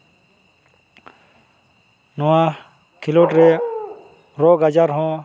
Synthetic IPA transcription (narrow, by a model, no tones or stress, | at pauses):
noã | kʰiloːʈɾe | ɾoːɡɐd͡ʒaɾɦõ